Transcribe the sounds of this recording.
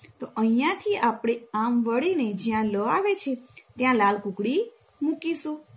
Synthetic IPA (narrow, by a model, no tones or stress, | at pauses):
t̪oʔəijãt̪ʰiapɽ̃eamʋəɭined͡ʒjãləaʋet͡ʃʰet̪jãlalkũkɽi | mukiʃũ